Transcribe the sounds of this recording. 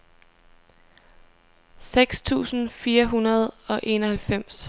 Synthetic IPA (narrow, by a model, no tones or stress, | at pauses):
seɡ̥st͡sʰṵːsn̩fiːɐɦunɐð̞̩ˠɒ̽ʔe̝nɒ̽hælfem̰s